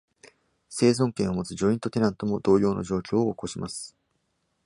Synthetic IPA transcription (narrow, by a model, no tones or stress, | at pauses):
se̞ːzõ̞ŋkẽɰ̃omo̞t͡sɨʑo̞ĩnt̪o̞t̪e̞ɾãnt̪o̞mo̞d̪o̞ːjo̞ːno̞̰ʑo̞ːkʲo̞ːoːko̞ɕimasɨ̥